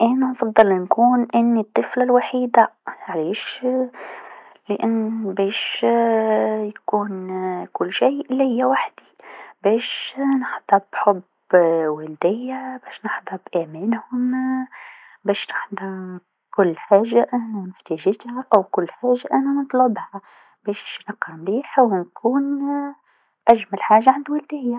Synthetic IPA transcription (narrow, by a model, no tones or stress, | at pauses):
ʔanaʔɑfɑd̪ˤːɨlnkuːnʔɪnːit̪ˤːɨflalwaħiːd̪aʕaleːʃ | lɪʔanːbeːʃ | jakuːnkʊlːʃijʔɪlːihɪjːawaħd̪ibeːʃnɪħd̪ˤɑbħʊb | wald̪ɪjːabɛːʃnɑħd̪ˤɑbʔæmæːnhʊm | bɛːʃnɪħd̪ɑ | kʊlːħaːʒaʔænænʊħt̪æʒɪt̪haʔæwkʊlːħaːʒaʔænanɨt̪ˤlʊbha | b̥ɛːʃnəqːɑmliːħwnkʰuːn | ʔæʒmælħaːʒaʕand̪wæld̪ɪjːa